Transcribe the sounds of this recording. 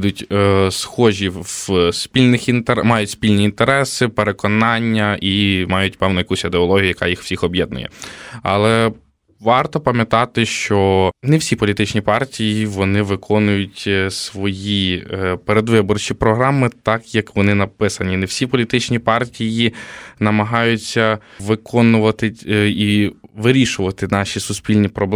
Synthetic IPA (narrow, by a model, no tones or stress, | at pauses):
d̪ʊtʲsxɔʒʲiʋspʲilʲnɪxint̪emɑjʊtʲspʲilʲnʲiːnt̪eɾɛsɪpeɾekɔnɑnʲːɐʔimɑjʊtʲpɛwnʊjɐkusʲid̪eɔlˠɔɦʲijʊjɐkɑ̰jixw̥sʲixɔbjɛd̪̚nʊ̰jɛ̰ɐ̰lˠɛ | ʋɑrt̪ɔpɐmʲjɐt̪ɑt̪ɪʃt͡ʃɔnɛwsʲipɔlʲit̪ɪt͡ʃnʲipɑrtʲijiʋɔnɪʋɪkʰɔnʊjʊtʲsʋɔjipeɾed̪ʋɪbɔrt͡ʃʲipɾɔɦɾɑmɪt̪ɑkjɐkʋɔnɪnɐpɪsɐnʲinɛwsʲipɔlʲit̪ɪt͡ʃnʲipɑrtʲijinɐmɐɦɑjʊt͡sʲːɐʋɪkʰɔnʊʋɐt̪ɪiʋɪɾʲiʃʊʋɐt̪ɪnɑʃʲisʊspʲilʲnʲipɾɔblˠ